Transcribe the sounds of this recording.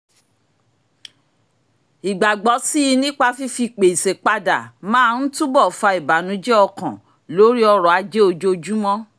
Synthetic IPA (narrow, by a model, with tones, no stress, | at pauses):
i˨ɡ͡ba˨ɡ͡bɔ˨˦si˦i˧nĩ˦k͡pa˧fi˦fi˧k͡pe˨i˨se˨k͡pa˧da̰˨mãː˦n̩˦tũ˦bɔ˦˨fa˧i˨ba˨˦nũ˨˦d͡ʒɛ˦ɔ˧kã˨ | lo˨˦ɾi˦ɔ˧ɾɔ˨a˧d͡ʒe˦o˧d͡ʒo˦˧d͡ʒu˦mɔ̃˦